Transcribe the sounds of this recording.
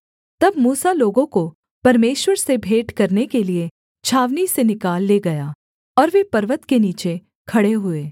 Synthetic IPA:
t̪ɐbmuːsaloːɡõko | pɐɾmeːʃwəɾsebʱeːʈkɐɾnekelie | t͡ʃʰaːʋnisenɪkaːlːeːɡɐjaː | ɔːɾʋepɐɾʋət̪keniːt͡ʃe | kʰɐɽeɦʊeː

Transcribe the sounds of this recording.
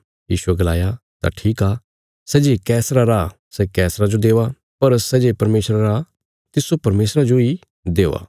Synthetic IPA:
jiːʃuɛɡɐlaːjat̪a̰ʈʰiːkaː | sɛd͡ʒekɛːsɾaɾaː | sɛkɛːsɾad͡ʒod̪eːʋa | pɐɾsɛd͡ʒepɐɾmeːsɾaɾaː | t̪ɪsopɐɾmeːsɾad͡ʒoi | d̪eːʋa̰ː

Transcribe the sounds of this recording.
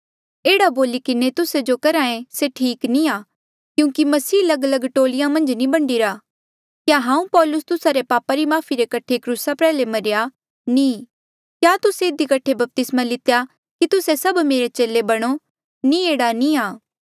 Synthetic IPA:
eːɽaboːlikɪnet̪ʊsed͡ʒokɐɾaːẽseʈʰiːknĩaː | kjũːkimɐsiːɐlɐɡələɡʈoːlɪjãmɐ̃nd͡ʒnĩbɐɳɖiɾaː | kjaːɦãːũpɔːlʊst̪ʊsaɾepaːpaɾimaːpʰiɾekɐʈʰekɾusapɛːlemɐɾɪja | nĩː | kjaːt̪ʊseɪd̪ikɐʈʰːebɐp̚t̪ɪsmalɪt̪eja | kit̪ʊsesɐbmeːɾet͡ʃeːlebɐɽ̃o | nieːɽaniaː

